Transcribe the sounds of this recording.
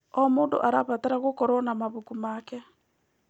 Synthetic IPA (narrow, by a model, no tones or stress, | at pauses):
ɔmoːndo̰ʔaɾaβataɾaɣokɔɾɔnamaβukumakɛ